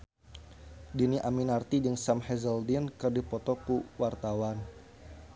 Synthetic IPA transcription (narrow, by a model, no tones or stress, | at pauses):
diniʔaminart̪idɨŋsamhɛzəldinkərdipɔt̪ɔkuwart̪awan